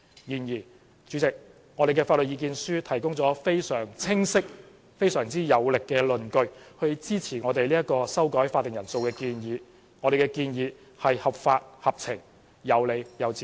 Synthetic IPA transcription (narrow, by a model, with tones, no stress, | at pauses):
jiː˨˩njiː˨˩ | t͡ʃy˨˥t͡sɪ˨k̚ | ŋɔː˨˧ɾe˨jkɛː˧faː˧t̚lɵ˨t̚ji˨˧k̬iː˧nsyː˥t̪ʰɐ˨˩jkʊ˥ŋt͡sɔː˨˥fe˥jsœː˨˩ŋt͡sʰɪ˥ŋsɪ˥k̚ | fe˥jsœː˨˩ŋt͡siː˥jɐ˨˧wlɪ˨kːɛː˧lɵ˨˩nkɵ˧ɥhɵ˧ɥt͡siː˥t͡sʰiː˨˩ŋɔː˨˧t̪e˨jliː˥ɐ˥kːɔː˧sɐ˥wkɔː˨˥jfaː˧t̪ːɪ˨ŋjɐ˨˩nso˧wkɛː˧kiː˧njiː˨˧ | ŋɔː˨˧ɾe˨jkɛ˧kiː˧njiː˨˧ | hɐ˨jhɐ˨p̚faː˧t̚hɐ˨p̚t͡sʰɪ˨˩ŋ | jɐ˨˧wle˨˧jjɐ˨˧wt͡si˨